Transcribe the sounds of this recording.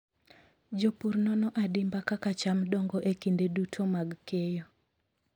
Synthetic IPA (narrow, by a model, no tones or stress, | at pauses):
d͡ʒopuɾnɔnɔʔadimbakakat͡ʃamdɔŋɡɔʔekindedutʰomaɡkejo